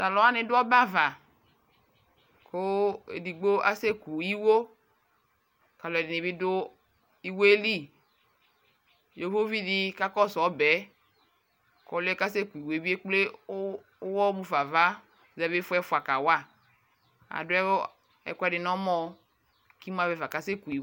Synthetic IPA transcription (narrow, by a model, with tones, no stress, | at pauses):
ta˨lɔ˨˦a˦nɪ̃˨dʊ˦ɔ˦ba˦va˨ | ko˦ḛ˨di˨ɡ͡bo˦ʔa˦se˦ku˨i˦wo˦ | ka˨lɔ˨ɛ˨dɪ˨nɪ˨bi˦dʊ˦ | i˦wo˦e˦li˦˨ | jo˨˦vo˦vi˦di˦ka˦kɔ˦sɔ˨˦bɛ˨˦ | kɔ˨lɛ˦ka˦se˦ku˨i˨wo˨˦e˦bi˦e˦k͡ple˦ | wɔ˦bu˦fa˨va˦˨ | zɛ˦be˦fʊ˦ɛ˦fʊ˨a˨ka˨wa˦˨ | a̰˨dʊ˦ɛ˦ | ɛ̰˨kɛ˦dɪ˨nɔ̃˦mɔ̃˦ | ki˦mũ˦a˨vɛ˨va˨ka˨˦se˦ku˨i˨